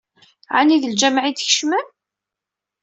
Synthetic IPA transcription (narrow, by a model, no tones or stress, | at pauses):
ʕaniðəld͡ʒæmʕid̪çə̥ʃmæm